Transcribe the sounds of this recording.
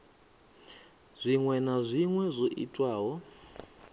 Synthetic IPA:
z̥ʷiŋwɛnazʷiŋwɛzʷoʔḭtʼwaːɦɔ

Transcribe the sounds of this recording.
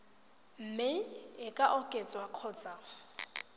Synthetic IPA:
m̩mɪɪkʼaʔʊkʼet͡sʼwaq͡χʰʊːt͡sʼa

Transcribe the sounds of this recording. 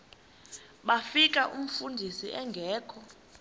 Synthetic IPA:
ɓafik̬ʼaʔum̩fundʱisiʔɛŋɡʱɛːkʰɔ

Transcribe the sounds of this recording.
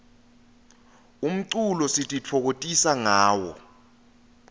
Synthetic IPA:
um̩ǀulɔsitʼit͡fʰɔk̬otʼisaŋaːwɔ̰

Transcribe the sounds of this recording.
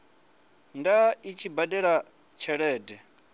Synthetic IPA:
ndait͡ʃʰibaɗɛɺa | t͡ʃʰɛɺɛːdɛ

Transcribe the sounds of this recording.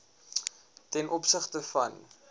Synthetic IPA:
tɛnʔɔpsəχtəfɐ̰n

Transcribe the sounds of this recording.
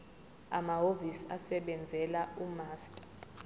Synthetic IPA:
a̰maɦovisasɛɓɛnd͡zʱɛlaumaːstʼḁ

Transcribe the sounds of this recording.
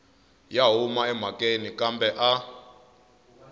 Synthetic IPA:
jaɦumaɛm̤akʼenikambɛʔa

